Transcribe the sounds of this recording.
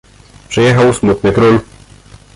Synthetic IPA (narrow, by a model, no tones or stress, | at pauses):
pʂɘjɛxawsmut̪̚nɘkɾul